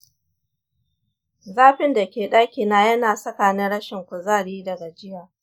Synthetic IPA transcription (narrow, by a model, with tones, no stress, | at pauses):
zaː˦ɸɪ˦nda˨kʲeː˨ɗaː˦kʲiː˨naː˦jɐ˦naː˨sɐ˦kaː˨nɪ˦nɽɐ˦ʃɪ˨ŋkʷʊ˨zaː˦ɽiː˦dɐ˨ɡa˨d͡ʒɪ˦jaː˨